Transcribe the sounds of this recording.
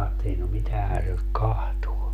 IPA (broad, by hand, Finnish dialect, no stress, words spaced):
ɑːtːeli no mitæhæn se nyt kɑhtuo